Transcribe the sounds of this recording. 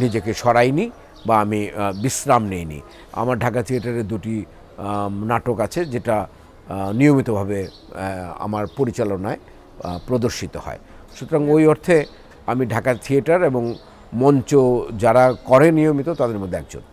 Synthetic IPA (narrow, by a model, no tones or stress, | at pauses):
nid͡ʑekeʃɔɾajni | baamibisɾamnejnḭ | a̰maɾɖʱakat̪ʰieʈaɾeɾd̪uʈi | naʈokat͡ɕʰed͡ʑeʈa | nijomit̪obʱabe | a̰maɾpoɾit͡ɕalonae | pɾod̪oɾʃit̪ohɔ̰e | ʃut̪oɾaŋojoɾt̪ʰe | amiɖʱakat̪ʰieʈaɾeboŋ | mɔnt͡ɕod͡ʑaɾakɔɾenijomit̪ot̪ad̪eɾmod̪ʱeɛk̚d͡ʑo̰n